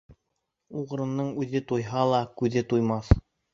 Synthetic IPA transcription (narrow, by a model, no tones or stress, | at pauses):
uʁ̆ɾɤ̆nːɤɴʉðɘt̪ujɦɑlˠɑkʉðɘt̪ujmɑθ